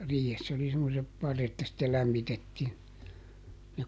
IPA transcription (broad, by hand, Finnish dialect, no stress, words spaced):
riːhesː oli semːosep pɑrːet jɑ sitːel læmːitetːiːn jɑ